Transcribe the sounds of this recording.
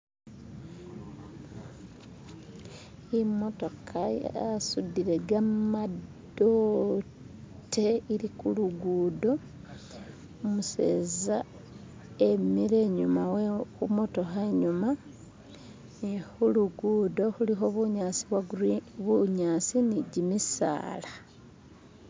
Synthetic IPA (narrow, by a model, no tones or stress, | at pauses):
imo̞to̞kʰaja̰sudiɾe̞ɡamado | te̞iɾikuluɡuːdo̞ | muse̞̰ːza | e̞miɾe̞ːɲumawekumo̞to̞xeɲuma | nixuluɡuːdo̞huliɦoβuɲaːsiβwaβuɲaːsiniɟimisa̰ːla